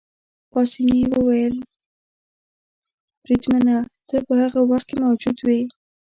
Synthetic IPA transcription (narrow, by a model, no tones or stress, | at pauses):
pɑsiniwəwajəl | b̥ɾid̪manat̪ʰəpəhaɣawaxt̪̚kemawd͡ʒud̪wi